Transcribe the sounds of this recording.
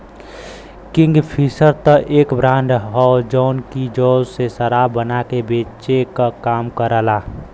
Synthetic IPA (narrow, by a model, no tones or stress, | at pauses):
kɪ̃ŋɡpʰisəɾt̪əʔeːkbɾãːɳɖɦɔd͡ʒɔːnkid͡ʒɔːzsesəɾabənakebeːt͡ʃekakaːmkəɾəlaː